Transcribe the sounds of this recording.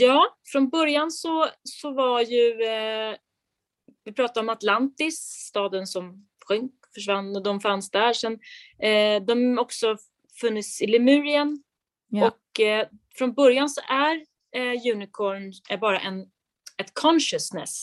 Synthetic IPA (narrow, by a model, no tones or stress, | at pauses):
jɑːfɾɔnbœɾjansɔsɔvaɾjɵ | vɪpʰɾɑːt̪ad̪ɾɔmat̪lant̪ɪsːt̪ɑːd̪ənsɔm | ɧɵŋk | fœʂvanːɔd̪ɔmfansd̪æɾʂɛn | d̪ɔmɔksɔ | fɵnːət̪sɪlɪmʉ̟ːɾɪən | ɔk | fɾɔnbœɾjansɔʔæɾ | jʉ̟ːnɪkʰɔɾɳbɑːɾa̰ʔɛn | ɛt̪kʰɔnʃəsnɛ̰s